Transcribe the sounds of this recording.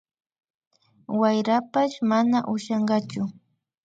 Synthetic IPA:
wajɾapaʃmanaʔʊʃɑɴɢɑt͡ʃʊ

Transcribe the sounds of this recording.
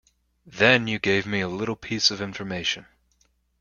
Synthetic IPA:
ðɨ̃njɨɡeɪvmiəlɪɾl̩ˠpʰisʌvɪ̃ɱfə˞meɪʃɨ̃n

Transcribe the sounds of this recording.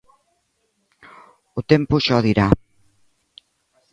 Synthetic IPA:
ʊt̪empʊʃɔðiɾa

